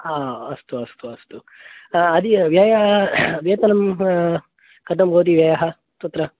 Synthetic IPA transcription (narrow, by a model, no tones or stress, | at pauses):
aːɐst̪uɐst̪uɐst̪u | ɐd̪iʋjaːjɐʋjeːt̪ɐnɐm | kɐt̪ɐmboːd̪̬iʋjɐjɐɦɐ | t̪ɐt̪ɾɐ